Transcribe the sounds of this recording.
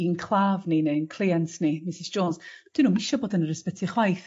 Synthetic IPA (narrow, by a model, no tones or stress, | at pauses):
inkʰlˠavninenkʰlˠiantnimɪsɪsd͡ʒoːnsd̥ɪnumɪʃɔboːdənəɾəspɛtʰiχwajθ